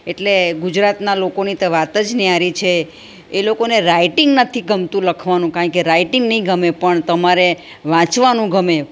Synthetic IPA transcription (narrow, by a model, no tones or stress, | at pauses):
eʈleɡud͡ʒɾat̪nalokonit̪eʋat̪əd͡ʒniaɾit͡ʃʰeː | lokoneɾaiʈiŋɡnət̪ʰiɡəmt̪ũləkʰʋanũkãɳkeɾaiʈiŋɡnəɦĩɡʱəmepəɳt̪əmaɾe | ʋãt͡ʃʋanũɡʱəme